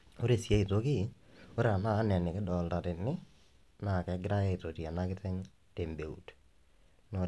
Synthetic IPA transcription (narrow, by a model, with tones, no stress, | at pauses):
o˦ɾe˨si˨e˦i˨tokɪ˦ | o˦ɾa˨naː˦nɛ˨nɪ˨kɪ˦dɔ˨lta˨tɪ˨nːɪ˦ | na˨kɛ˨ɡɪɾa˦jɛ˦i˨to˨ti˨a˨na˦kɪ˦tɛ˦ŋ | te˨mbe˨ṵ˨t | no